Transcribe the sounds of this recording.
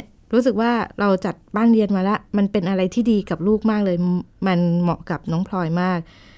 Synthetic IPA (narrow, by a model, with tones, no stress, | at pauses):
ɾu˦˥s̬ɯ˨˩k̚waː˥˩ɾa˧wt͡ɕa˨˩t̪̚baː˥˩nɾi˧ənmaː˧la˦˥ʔma˧npe˧nʔa˧ɾa˧jt̪ʰiː˥˩diː˧ka˨˩p̚luː˥˩k̚maː˥˩k̚lɤː˧jma˧nmɔ̰˨˩ʔka˨˩p̚nɔː˦˥ŋpʰlɔː˧jmaː˥˩k̚